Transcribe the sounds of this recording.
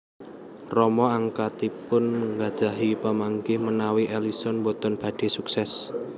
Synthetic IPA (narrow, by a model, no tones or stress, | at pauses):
rɔmɔaŋkat̪ipʊnŋɡḁd̥aɦipəmaŋɡɪhmənawiʔelisɔnbot̪ɔnb̥a̤ɖ̥e̤suksɛs